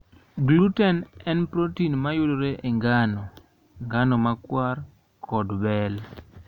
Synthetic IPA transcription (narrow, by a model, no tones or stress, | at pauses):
ɡluutɛnɛnpɾotinmajʊloɾeʔeŋɡanɔ | ŋɡanɔmakwar | kʰɔdbɛl